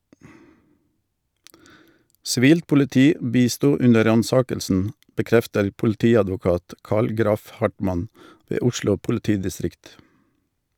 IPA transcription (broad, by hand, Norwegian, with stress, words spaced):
sɪˈʋiːlt pʊlɪˈtiː ˈbiːˌstuː ˈʉnə ˈɾɑnˌsɑːkəlsn̩ bəˈkɾɛftəɾ pʊlˈtiːɑdʋʊˌkɑːt ˈkɑːl ˈɡɾɑf ˈhɑʈmɑn ˈʋeː ˈʊʃlʊ pʊlɪˈtiːdɪˌstɾɪkt